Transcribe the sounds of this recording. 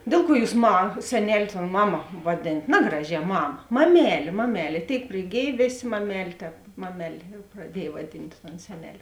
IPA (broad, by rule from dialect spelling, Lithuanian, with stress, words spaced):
ˈdʲeːlˠ ˌkuɔ ˈjuːs mɐ sʲɛˈnʲɛlʲ toːn ˈmɑːˌmɐ ʋɐˈdʲeːnɐt ˈnɑːɡrɐˌʒʲɛː ˈmɑːmɐ mɐˈmʲæːlʲeː mɐˈmʲæːlʲeː ˈtʲeːɪk pʲrʲɪˈɡʲeːj ˈʋʲeːˌsʲeː mɐˈmʲæːlʲeː ˈtʲɛːp ˈmɑːmʲɛˌlʲeː prɐˈdʲiɛj ʋɐˈdʲɪnt toːn ˈsʲæːnʲɛˌlʲeː